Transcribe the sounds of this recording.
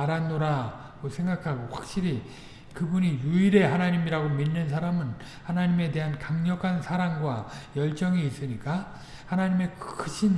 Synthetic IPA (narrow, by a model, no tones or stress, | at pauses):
aɾanːoɾa | ɡosʰe̞ŋɡakʰaɡoɸwak̚ɕ͈iɾi | kɯbuɲijuiɾe̞ɦanaɲimiɾaɡominːɯns̬ʰaɾamɯn | hanaɲime̞de̞ɦankaŋɲʌkʰansʰaɾaŋɡwajʌɭt͡ɕ͈ʌŋiːs͈ɯɲik͈a | hanaɲime̞kkʰɯɕʰin